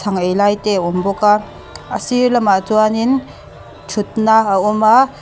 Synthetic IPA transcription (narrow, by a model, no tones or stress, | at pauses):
sʰaŋejlajteɔmbɔka | əsiɾlɐmaʔt͡suanin | t͡ʃʰut̪̚naaɔma